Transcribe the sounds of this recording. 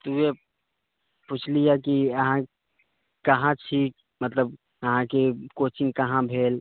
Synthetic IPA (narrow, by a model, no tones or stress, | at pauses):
t̪uje | put͡ʃʰlijakiəɦã | kəɦãt͡ʃʰiːk̚ | mət̪ləb̚ | əɦãkekot͡ʃɪŋkəɦãbʱeːl